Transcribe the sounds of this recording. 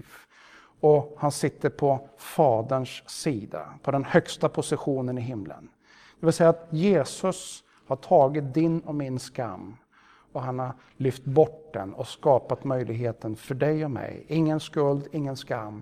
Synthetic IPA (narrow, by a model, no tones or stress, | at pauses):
f | ɔhansɪt̪ːəɾpʰɔfɑːd̪əɳʂsiːd̪a̰pʰɔd̪ɛnhœkst̪apʰʊsɪɧuːnənɪɦɪmlə̰n | d̪̥ɛvɪlsɛjːat̪jeːsɵs | haʈʰɑːɡɪt̪̚d̪ɪnːɔmɪnska̰mː | ɔhanhaɾ | lʏft̪bɔʈ̚d̪ɛ̰nɔ̰skɑːpat̪mœjlʔɪɡɦeːt̪ənfœɖɛjɔmɛ̰jɪŋːənskɵld̪ɪŋːənskamː